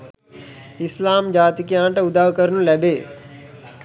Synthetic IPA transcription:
ɪslaːmd͡ʒaːt̪ikiãːɳʈɐʊd̪aːʋkəɾnũlɛbeː

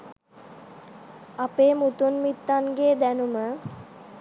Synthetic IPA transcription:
apeːmut̪unmit̪ːanɡeːd̪ænumə

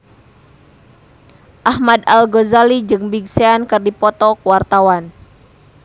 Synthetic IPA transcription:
ʔahmad̪alɡozalid͡ʒɨŋbiɡseankɨrdipɔt̪ɔkuwart̪awan

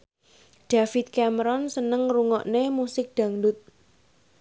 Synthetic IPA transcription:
ɖ̪̥afɪt̪̚kɛməɾɔnsənəŋruŋɔʔnemusɪk̚d̪̥a̤ŋdʊt̪̚

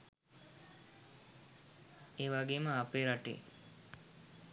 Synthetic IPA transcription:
eːʋaɡeːməapeːɾaʈḛː

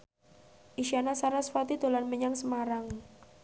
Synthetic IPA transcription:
ʔiʃianasaɾasfat̪id̪olanməɲaŋsəmaɾaŋ

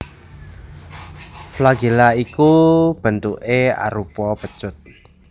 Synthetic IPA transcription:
flaɡelaikub̥ə̤nt̪uʔea̰ɾupɔpət͡ʃʊt̪̚

